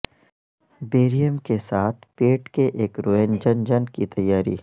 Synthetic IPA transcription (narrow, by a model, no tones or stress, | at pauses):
beːɾijəmkesaːt̪ʰpeːʈkeʔeːkɾoːeːnd͡ʒənd͡ʒənkit̪ɐjːaːɾḭː